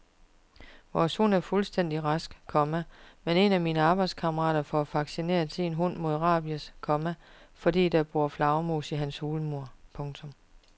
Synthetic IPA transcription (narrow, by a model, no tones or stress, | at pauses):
ʋɒshun̰æɐfulsd̥en̰d̥iʁɑsɡ̥kʰɒ̽mæmene̝næmiːnəɑ̈ːb̥ɑ̈ɪd̥skʰɑ̈mɐʁɑ̰̈ːd̥ɐfɒæfɑ̈ɡ̥sine̝̰ːɐt͡sʰenɦun̰mo̝ðˠʁɑ̰̈ːb̥iəskʰɒ̽mæfɒ̽dḭːd̥ɑb̥ʁuɐflɑ̈ʊmo̝̰ːsiɦænshuːləmo̝ɐ̰pʰɔ̽ŋt͡sʰɔ̽m